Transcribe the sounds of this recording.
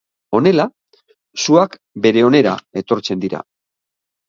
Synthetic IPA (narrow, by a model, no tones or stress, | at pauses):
o̞ne̞la | suak | be̞ɾe̞o̞ne̞ɾa̰e̞t̪o̞ɾt͡se̞nd̪iɾa̰